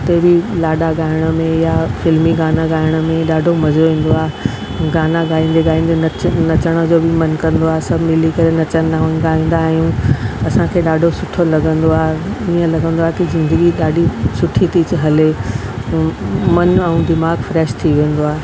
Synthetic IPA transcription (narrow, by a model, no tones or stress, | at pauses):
t̪ɐbilaːɗaɠaːɪɽ̃əmẽjafɪlmiɡaːnaɡaːɪɽ̃ə̆mẽɗaːɖʱomɐzoʋẽːn̆d̪oaːɦe | ɡaːnaɡaːĩːn̆d̪eɡaːĩːn̆d̪ennɐt͡ɕəɽ̃əd͡ʑoːbɪmɐnkɐ̃nd̪oaːɦesɐbʱmɪlikɐɾenɐt͡ɕənnãɡaːĩːnd̪aːɦijũɐsãkʰeːɗaːɖʱosʊʈʰolɐɡʱə̃nd̪oaːɦeiə̃lɐɡʱə̃nd̪oaːɦet̪ɐzɪ̃nd̪əɡiɗaːɖʱisʊʈʰit̪it͡ɕɦɐle | mɐnɛ̃ũd̪ɪmaːɡfɾɛːʃt̪ʰiʋẽːn̆d̪oaːɦe